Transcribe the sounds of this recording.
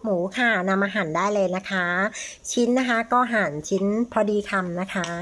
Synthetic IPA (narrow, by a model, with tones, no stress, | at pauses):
muː˩˦kʰa˥˩na˧mːaː˧ɦaː˨˩˦ndaː˥˩jlɤː˧jna˦˥kʰa˦˥t͡ɕʰi˦˥nːa˦˥kʰa˦˥kɔː˥˩ɦaː˨˩nt͡ɕʰi˦˥npʰɔ˧diː˧kʰa˧mna˦˥kʰa˦˥